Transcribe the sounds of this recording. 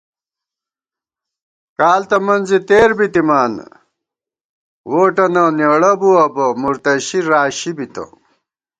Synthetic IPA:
kaːlt̪ɐmɐnzit̪eːɾbit̪imaːn | woːʈɐnɐnjeɽɐbuɐbɐmuɾt̪ɐɕiɾaːɕibit̪ɐ̰

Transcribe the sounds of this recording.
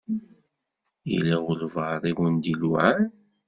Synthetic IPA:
ḭliʁʊlvəɾˤiɡənd̪iluʕan

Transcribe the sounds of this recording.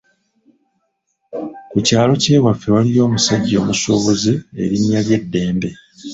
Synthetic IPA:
kucaːlo̞ce̞ːβafewalijo̞ːmusaɟːo̞ːmusoːβozie̞̰ɾinjalje̞dːe̞ːmbe̞

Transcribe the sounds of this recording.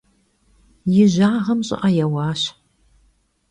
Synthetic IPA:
jɪʑaːʁɐmɕʼɪ̰ʔɐjɛwɑːɕ

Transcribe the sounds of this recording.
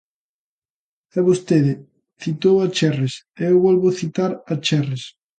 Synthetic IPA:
ɛβost̪eðɪ | θit̪owat͡ʃɛres | eewβɔlβʊθit̪aɾat͡ʃɛres

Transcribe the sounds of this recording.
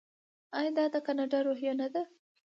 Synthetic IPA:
ajɑd̪ɑd̪əkanaɖɑɾoɦjanad̪a

